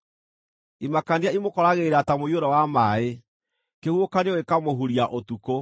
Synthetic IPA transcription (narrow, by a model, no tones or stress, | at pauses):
imakandiaimokɔɾaɣeɾatamoioɾɔwamae | kehuokanewekamoɦuɾiaʔotuko